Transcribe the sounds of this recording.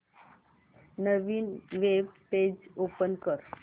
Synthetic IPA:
nəʋiːnʋebped͡ʑopənkəɾ

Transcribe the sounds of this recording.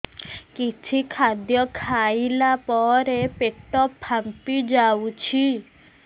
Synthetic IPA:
kit͡ʃʰikʰad̪jɔkʰajilapɔɾepeʈɔpʰːampid͡ʒawut͡ʃʰi

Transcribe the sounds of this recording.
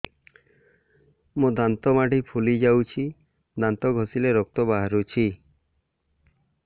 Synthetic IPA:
mud̪ant̪ɔmaɖipʰulid͡ʒawt͡ʃʰi | d̪ant̪ɔɡʱɔsileɾɔk̚t̪ɔbaɦaɾut͡ʃʰi

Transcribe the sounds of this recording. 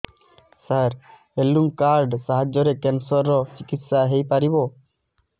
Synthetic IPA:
saɾ | elːuŋkaɾɖsaɦad͡ʒɔɾekensɔɾːɔt͡ʃikit̪saɦejpaɾibɔ

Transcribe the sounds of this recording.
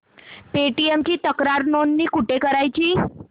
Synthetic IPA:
peʈiemt͡ɕit̪əkɾaɾnonːikuʈekəɾajt͡ɕiː

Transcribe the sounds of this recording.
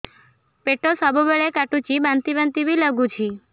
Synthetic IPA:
peʈosabobəɭekaʈut͡ʃibãnt̪ibãnt̪ibiləɡũt͡ʃʰi

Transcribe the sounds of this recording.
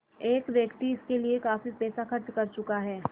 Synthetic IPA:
eːkʋjɐkt̪iɪskeliekaːfipɛːsaxɐɾt͡ʃkɐɾt͡ʃʊkaɦɛː

